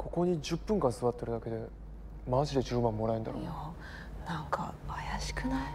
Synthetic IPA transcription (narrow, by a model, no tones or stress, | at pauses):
kʰo̞ko̞ɲ̟iʑɨpːɯ̃ŋkãñsɨβat̪ːeɾɯ̟d̪ake̞d̪e | maʑid̪e̞ʑɨːmãmːo̞ɾaend̪aɾo̰a | nãŋka̰ajaɕi̥kɯ̟nai